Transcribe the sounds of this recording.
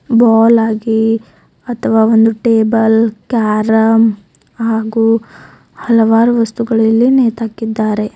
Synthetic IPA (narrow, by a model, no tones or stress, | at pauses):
baːlaːɡi | ɐt̪ʰɐʋaːond̪uʈeːbɐlkaːɾɐm | haːɡuː | hɐlɐʋaːɾuʋɐst̪uɡɐɭɐlːineːt̪aːkid̪ːaːɾe̞